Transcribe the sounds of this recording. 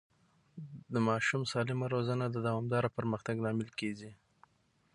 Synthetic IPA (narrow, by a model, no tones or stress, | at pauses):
d̪əmɑʃumsɑlɪmaɾozanad̪əd̪awɑmd̪ɑɾapəɾməxt̪aɡnɑmɪlkeɡi